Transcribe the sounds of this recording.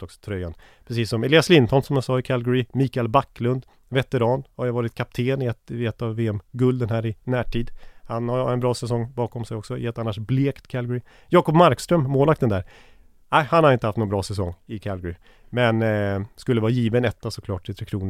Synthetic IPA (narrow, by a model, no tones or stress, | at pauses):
ɔksɔt̪ʰɾœjːan | pʰɾɛsiːsːɔmɛliːaslɪnt̪ʰɔnsɔmjasɑːɪkʰalɡɔɾɪmiːkaɛlbakːlɵnd̪ | vɛt̪ɛɾɑːnhaɾjavɑːɾɪt̪̚kʰap̚t̪ʰeːnɪɛt̪ɛt̪ːavːeːɛmɡɵld̪ənɦæːɾɪnæːʈʰiːd̪hanhaɾɛnbɾɑːsɛsɔŋːbɑːkɔmsɛjɔksɔjɛt̪ːanːaʂbleːkt̪kʰalɡɔɾɪ | jɑːkɔpmaɾkst̪ɾœmmoːlakt̪ɛnd̪æːɾ | æɪhanhaɾɪnt̪əhaft̪nɔnbɾɑːsɛsɔŋːɪkʰalɡɔɾɪ | mɛnskɵlːəvɑːjiːvənɛt̪ːasɔkʰlɑ̰ːʈ̪ʰːɪt̪ʰɾeːkʰɾuːnə